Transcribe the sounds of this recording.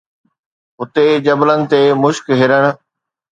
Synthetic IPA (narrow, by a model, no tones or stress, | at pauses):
ɦʊt̪ed͡ʑɐblənɪ̆t̪emʊʃkɦɪɾəɽ̃ʊ̆